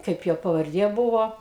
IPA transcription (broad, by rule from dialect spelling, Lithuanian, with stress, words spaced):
ˈkɐɪp joː pɐʋɐrʲˈdʲiɛ ˈbuːʋoː